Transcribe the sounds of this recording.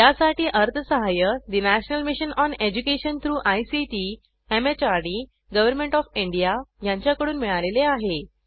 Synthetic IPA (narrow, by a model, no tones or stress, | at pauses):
jjasaʈiːʔəɾt̪ʰəsəɦajəd̪inæɕnəlmiɕənɔned͡ʑukeɕənt̪ʰɾuːʔajsiʈiː | emet͡ɕaɾɖi | ɡəʋəɾmẽɳʈɔfiɳɖijajãɲt͡ɕjakəɽuːnmiɭaleleaɦe